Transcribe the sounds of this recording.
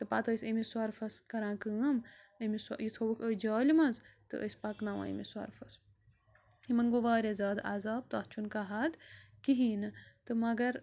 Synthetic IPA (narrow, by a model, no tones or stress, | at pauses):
t̪ɨpat̪ɐjsʲɐmiswɐɾfɐskɐɾãːkɨːɐm | əmisjit̪ʰɐwukʰəjd͡ʒaːlimɐzt̪ɨ̰ʔə̰sʲpɐknaːʋa̰ḭmiswɐ̰ɾfɐs | himɐnɡoʋaːɾezaːd̪a̰zaːb̚t̪ɐːht͡ʃʰunkaɦɐd̪kiɦiːnɨt̪ɨmɐɡɐɾ